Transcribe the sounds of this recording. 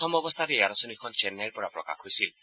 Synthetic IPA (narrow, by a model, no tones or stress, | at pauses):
ɔmɔbɔst̪ʰateaɾɔsɔnikʰɔnt͡ʃɛnːaɹpɔɹapɹɔka̰xɦojsil